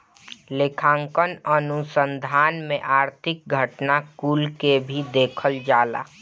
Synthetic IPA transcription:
lekʰãːŋkənənʊsənd̪ʱaːnmẽʔaːɾt̪ʰɪk̚ɡʱəʈnakuːlkebʱid̪eːkʰəld͡ʒaːla̰

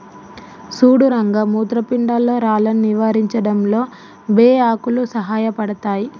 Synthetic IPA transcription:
suːɽuɾɐŋɡɐmuːt̪ɾɐpiɳɖalːo̞ːɾaːlɐnniʋaːɾiɲt͡ʃɐɽɐmlo̞ː | beːaːkulusɐɦaːjɐpɐɽɐt̪aːji

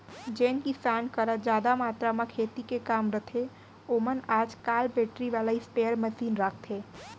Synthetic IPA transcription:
d͡ʒenkisankəɾəd͡ʒad̪amat̪ɾamãkʰet̪ikekamɾət̪ʰe | omənad͡ʒkalbeʈɾiʋalaispeəɾməsiːnɾakʰt̪ʰe

